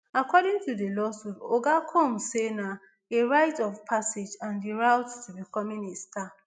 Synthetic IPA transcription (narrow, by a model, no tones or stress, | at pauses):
akɔɾĩŋtʰudelɔsupoɡakʰɔ̃msena | eɹaɪtɔvpʰased͡ʒãndiɹawttubikɔ̃minista